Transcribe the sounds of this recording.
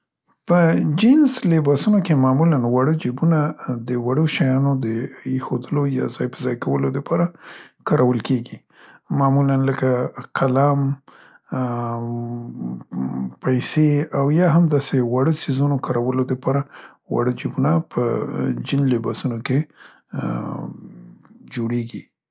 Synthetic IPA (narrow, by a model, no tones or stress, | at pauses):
pəd͡ʒɪnzlebɑsunokemɑmulanwaɽəd͡ʒibunad̪əwaɽoʃajɑnod̪əexod̪əlojɑ̰zɑjpəzɑjkawəlod̪əpʰɑɾakɑɾawəlkeɡi | mɑmulanləkaqʰalam | pajseawjɑɦamd̪ɑsewaɽəsizunokɑɾawəlod̪əpɑɾa | wa̰ɽəd͡ʒibunapʰə̰d͡ʒɪnlɪbɑsunoke | d͡ʒoɽeɡi